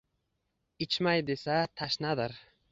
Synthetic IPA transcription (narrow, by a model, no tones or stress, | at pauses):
ɪt͡ʃʰmajd̪esat̪ʰaʃnad̪ɪɾ